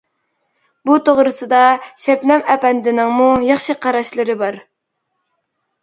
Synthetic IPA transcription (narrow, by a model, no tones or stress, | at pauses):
but̪ʰoʁɾɨsɨd̪ɑʃɛpnɛmɛpɛnd̪ɪnɪŋmujɑχʃiqʰɑɾɑʃlˠɨɾɨbɑɾ